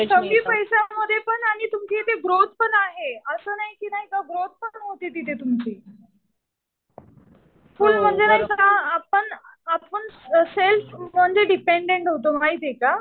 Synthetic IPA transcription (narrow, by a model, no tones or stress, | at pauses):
səɡiːpəjsaməd̪ʱːjepəɳaɽ̃it̪umt͡ɕit̪eɡɾot̪̚pəɳaɦeəsəːnaɦikiːnaɦikaɡɾot̪̚pəɳɦot̪it̪it̪et̪umt͡ɕiː | fulm̤əɳd͡zenaɦikaapəɳapəɳselfm̤əɳd͡zeɖipeɳɖeɳʈɦot̪̬om̤aɦit̪eka